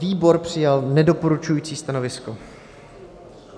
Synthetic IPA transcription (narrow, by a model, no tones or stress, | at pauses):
viːbo̞ɾpr̝̥ɪjalnɛdo̞poɾut͡ʃujiːt͡siːst̪anovɪsko